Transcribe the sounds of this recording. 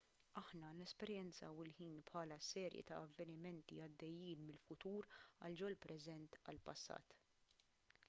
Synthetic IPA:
ɐħnɐnɛspɛɾjɛnt͡sɐ̰wɪlħiːnpħɐːlɐsɛːɾjɛ̰t̪ɐ̰ːvːɛnɪmɛnt̪iɐd̪ːɛjːiːnmɪlfʊt̪uːɾɐ̰ld͡ʒɔlpɾɛzɛnt̪ɐ̰lpɐsːɐ̰ːt̪

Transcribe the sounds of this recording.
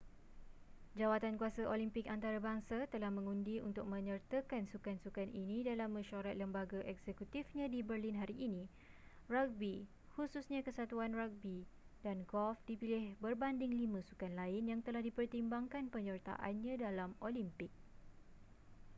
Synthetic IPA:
d͡ʒawat̪ankuasaʔolimpɪkant̪aɾabaŋsat̪əlahmə̃ŋũndiṵnt̪ʊk̚mə̃ɲərt̪əkansukansukaninĩdalamːə̃ʃaɾat̪̚ləmbaɡaʔɛksɛkut̪ifɲãdibərlinɦaɾiʔːnĩ | rak̚bi | hususɲãkəsat̪uanrak̚bi | danɡɔlfdipilɪhbərbandɪŋlimãsukanlaɪnjaŋt̪əlahdipərt̪imbaŋkanpəɲərt̪a̰ʔa̰nɲãdalamolimpɪk̚

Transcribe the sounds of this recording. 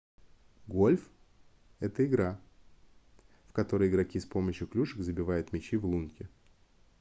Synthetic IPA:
ɡo̞lʲf | ɛt̪əɪɡɾa | fkɐt̪o̞ɾəjɪɡɾɐkʲispo̞məɕjʊklʲuʂɨkzəbʲɪvajʊt̪mʲɪt͡ɕivlˠunkʲɪ

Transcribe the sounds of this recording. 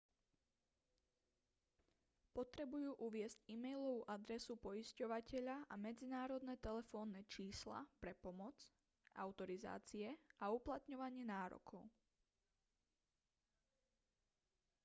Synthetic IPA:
pɔt̪ɾɛbujuːʔuʋɪɛzcimɛjlɔʋuʔad̪ɾɛsupɔiscɔʋacɛʎaʔamɛd͡zinaːɾɔd̪nɛt̪ɛlɛfɔːnːɛt͡ʃiːsla̰pɾɛpɔmɔt͡s | ʔa̰ʊt̪ɔɾiza̰ːt͡siɛauplat̪ɲɔʋaɲɪɛnaːɾɔ̰kʰɔʊ

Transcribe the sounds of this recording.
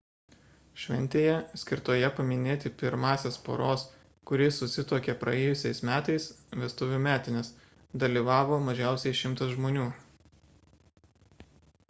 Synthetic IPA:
ʃʲʋʲɛ̰nʲt̪ʲeːjɛsʲkʲɪɾt̪oːjɛpɐmʲɪnʲeːt̪ʲɪpʲɪɾmɑːsʲeːspo̰ːɾoːs | kʊɾʲɪsʊsʲɪt̪oːkʲepɾʔɐ̰ɛːjʊsʲɛɪsmʲæːt̪ɐɪsʋʲɛst̪ʊːʋʲuːmʲæːt̪ʲɪnʲɪs | d̪ɐlʲiːʋɑːʋoːmɐʒʲæˑʊsʲɛɪʃʲɪmˑt̪ɐsʒmoːnʲuː

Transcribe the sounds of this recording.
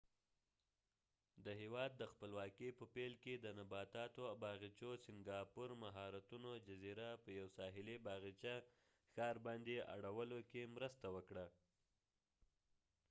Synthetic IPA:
d̪əɦewɑd̪̚ːəxpəlwɑkepəpelked̪ənabɑt̪ɑt̪oabɑɣit͡ʃosɪŋɡɑpuɾmaɦɑɾat̪unod͡ʒaziɾapəjawsɑɦɪlibɑɣit͡ʃa | xɑɾbɑnd̪eʔa̰ɽawəlokemɾəst̪awəkɽa

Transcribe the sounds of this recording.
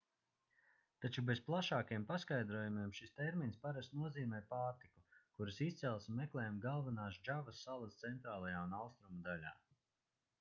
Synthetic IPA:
t̪at͡ʃube̞zplˠaʃaːkijɛmpaskajd̪ɾuɔjumiɛmʃist̪eɾminspaɾast̪nuɔziːmɛjpaːɾt̪ikukuɾasist̪sɛlˠsmːeklˠɛːjmɡalˠvanaːʃd͡ʒavɐsːalˠast̪sɛnt̪ɾaːlˠajaːunawst̪ɾumud̪alʲa̰ː

